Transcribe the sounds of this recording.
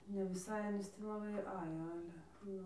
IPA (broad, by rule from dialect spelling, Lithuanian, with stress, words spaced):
nʲɛ ʋʲɪˈsɐɪ ɐˈnʲiːs tʲiː lˠɐˈbɐɪ ˈɑːjoː ˈɑːlʲɛ ˈnʊ